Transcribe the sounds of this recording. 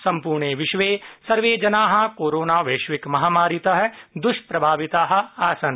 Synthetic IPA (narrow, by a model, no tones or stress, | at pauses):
sɐ̃mpuːɾɳeʋɪʃʋeːsɐɾʋeːd͡ʒɐnaːɦɐ̆koːɾoːnaːʋeːʃʋɪkmɐɦaːmaːɾit̪ɐɦɐd̪ʊʃpɾɐbʱaːʋɪt̪aːɦɐ̆aːsɐn